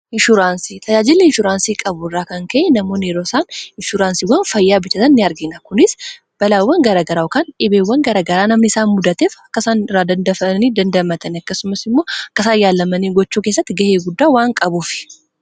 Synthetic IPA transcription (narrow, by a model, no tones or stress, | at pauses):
ɪnʃʊɾaːnsit̪ʼɐd͡ʒaːd͡ʒɪlːɛɪnʃʊɾaːnsiːkʼɐbʊrːaːkɐŋkɐʔɛnɐmoːneːɾoːsaːnɪnʃʊɾaːnsiwɐnfɐjːaːbɪt͡ʃːɐt̪ɐnːɪɐɾɡɪnɐkʊnɪs | b̥ɐlaːwːɐŋɡɐɾaɡɐɾaːwkanᶑɪbeːwːɐŋɡɐɾɐɡɐɾaːnɐmnɪsaːnmʊd̪ɐt̪eːfɐkːɐsaːnɪraːd̪ɐnd̪ɐfɐniːd̪ɐnd̪ɐmɐt̪ɐnɐkːɐsʊmɐsɪmːo̞ːɐkːɐsaːjaːlːɐmɐniːɡɔt͡ʃːuːke̞ːsːɐt̪ːɪɡɐheːɡʊd̪ːaːwaːŋkʼɐbuːfɪ̥